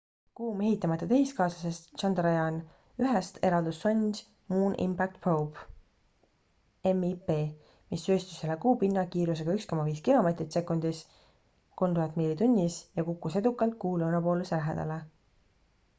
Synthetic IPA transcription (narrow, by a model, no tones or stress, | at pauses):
kuːme̞ɦit̪ːˑɑmɑt̪ːˑɑt̪e̞ɦiskɑːsɑse̞st̪t͡ʃɑnd̪ɾɑjɑn | yɦest̪ʰe̞ɾɑld̪usːonʲdʲ | muːnʔḭmpæk̚t̪prop | emipeː | misːøːst̪u̥sːelːekuːpinːɑkiːɾus̬e̞ɡ̥ɑyksko̞mɑviːskilo̞me̞ːt̪ɾit̪se̞kːund̪̥is | ko̞lmt̪uhɑt̪ːˑmiːlit̪unʲːisjɑkukːˑuse̞d̪ukːˑɑlt̪̚kuːlonɑpo̞ːluselæɦḛd̪̥ɑ̰le